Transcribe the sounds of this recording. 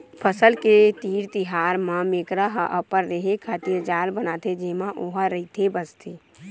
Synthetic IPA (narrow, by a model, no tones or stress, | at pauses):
pʰəsəlket̪iːɾt̪ɪɦaːɾmãmeːkɾəɦʔəpəɾːeɦekʰaːt̪iɾd͡ʒaːlbənaːt̪ʰed͡ʒeːmãʔoɦəɾəɦit̪ʰebəst̪ʰeː